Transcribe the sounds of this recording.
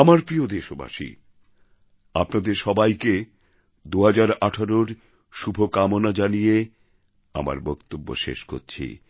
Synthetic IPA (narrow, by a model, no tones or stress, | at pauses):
amaɾpɾiod̪eʃoba̰ʃḭ | apnad̪eɾʃɔbajke | d̪uɦad͡ʑaɾaʈʰaɾoɾ | ʃubʱokamonad͡ʑanije | a̰ma̰ɾbɔkt̪obːo̰ʃḛʃko̰ɾt͡ɕʰḭ